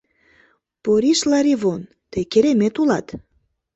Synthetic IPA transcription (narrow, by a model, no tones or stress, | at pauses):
poɾiʃlɑɾiβon | t̪ekeɾemet̪ulɑt̪